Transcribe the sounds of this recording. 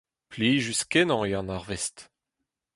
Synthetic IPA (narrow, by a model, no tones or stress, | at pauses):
pliːʒyskɛnɑ̃eɑ̃naʁvɛst̪